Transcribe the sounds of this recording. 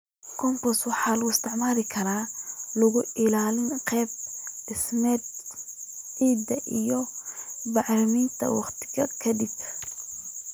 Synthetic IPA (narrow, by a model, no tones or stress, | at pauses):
kʰɔmpɔswɑħɑːlɐɣʊɪst̪ʰɪʕmaːlɪkʰɐɾaːlɐɣʊɪlaːlɪnqɛːb̚ɖɪsmɛːd̪ | ʕiːd̪ɐʔijɔbɑʕrɐmiːnt̪ʰɐ̰wɑ̰qt̪ʰɪ̥ɣɐkʰɐd̪ɪb